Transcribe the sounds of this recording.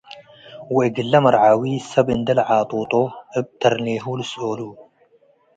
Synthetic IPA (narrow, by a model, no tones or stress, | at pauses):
wɛʔɡɨlːɐmɐɾʕawisɐbʔɨnd̪ɐlʕaːt̪ʼut̪ʼoʔɨb̚t̪ʰɐɾneɦulɨsʔolu